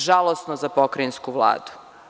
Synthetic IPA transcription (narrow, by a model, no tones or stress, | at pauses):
ʒalˠosnozapokɾainskuʋlˠa̰ːd̪u̥